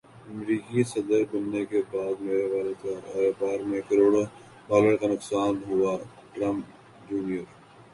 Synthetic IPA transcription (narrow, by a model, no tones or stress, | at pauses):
ɐmɾiːkisɐd̪əɾbʊnːekebaːd̪meːɾeʋaːlet̪oɾepaːɾmẽkɐɾoːɽo | baːleɽkanʊksaːnɦʊa | ʈɾɐmp | d͡ʒuːnijəɾ